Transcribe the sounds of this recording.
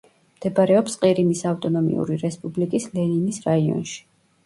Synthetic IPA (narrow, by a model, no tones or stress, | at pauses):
md̪̥ɛbaɾɛɔpsqʼiɾimisaft̪ʼɔnɔmḭṵɾiɾɛspʼublikʼislɛninisɾaiɔ̰nʃi̥